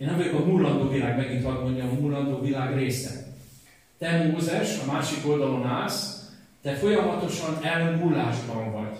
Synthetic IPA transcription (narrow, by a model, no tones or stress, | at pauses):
enɛmvojokɒmulːɒnd̪oːvilaːɡmɛɡint̪ɒd̪mo̞ɲɟɒmɒmulːɒnd̪oːvilaːɡreːsɛ̰ | t̪ɛrmozɛʃɒmaːʃiko̞ld̪ɒlo̞naːs | d̪̥ɛfo̞jɒmɒt̪o̞ʃɒnɛlːøŋmulːaːʒbɒɱvɒɟ̥